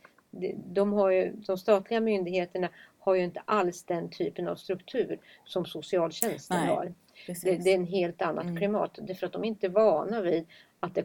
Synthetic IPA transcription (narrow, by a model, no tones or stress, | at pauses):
d̪ɛd̪ɔmɦaɾjɵd̪ɔmst̪ɑːt̪ʰlɪɡamʏnd̪ɪɡheːt̪əɳahaɾjɵɪnt̪ə̥ʔalsd̪ɛnt̪ʰyːpəna̰vst̪ɾɵkt̪ʰʉ̟ːɾ | sɔmsʊsɪɑːlɕɛnst̪ənhɑ̰ɾ | d̪ɛd̪ɛɛnɦeːlt̪anːa̰d̪kʰlɪmɑ̰ːt̪ːd̪æɾfœɾat̪̚d̪ɔmɛɪnt̪əvɑːnaviːd̪ | at̪̚d̪ɛ